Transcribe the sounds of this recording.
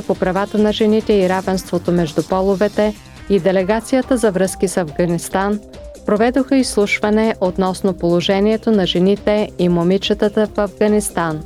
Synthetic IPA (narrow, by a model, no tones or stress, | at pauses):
popɾɐvat̪ənɐʒɛnit̪ɛiɾavɛnst̪vot̪omɛʒd̪ʊpɔlˠovɛt̪ɛ | id̪ɛlɛɡat̪sijət̪əzɐvɾɤskisɐvɡɐnist̪an | pɾovɛd̪oxəislˠuʃvɐnɛʔot̪nɔsnopolˠoʒɛniɛt̪onɐʒɛnit̪ɛimomit͡ʃət̪ət̪əfɐvɡɐnist̪an